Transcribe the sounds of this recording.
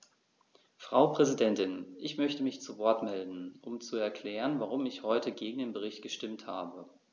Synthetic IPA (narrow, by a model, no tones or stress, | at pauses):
fʁ̥aʊpʁ̥ɛzidɛntɪnʔɪçmœçtəmɪçt͡suvɔɐtmɛldn̩ʔʊmt͡suɛɐkʰl̥ɛːʁ̞ənvaʁ̞ʊmɪçhɔʏtəɡeːɡŋ̩deːnbəʁ̞ɪçt̚ɡ̥əʃtɪmtha̰ːbə